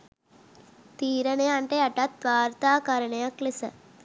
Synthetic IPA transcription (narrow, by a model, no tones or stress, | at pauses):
t̪iːɾɐnejɐɳʈeɐʈɐt̪̚ːʋaːɾt̪aːkɐɾɐɳɐjɐklesə